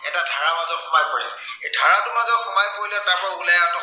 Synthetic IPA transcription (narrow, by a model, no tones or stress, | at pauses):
ɛtadʱaɹamazɔtxʊmajpɔɹɛs | edʱaɹatʊmazɔxʊmajpoɹilɛntakʰɔulɛatɔ